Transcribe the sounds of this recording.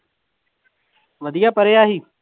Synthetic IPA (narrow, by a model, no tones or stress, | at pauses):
ʋəd̪ɪjaːpəɾeːaːɦiː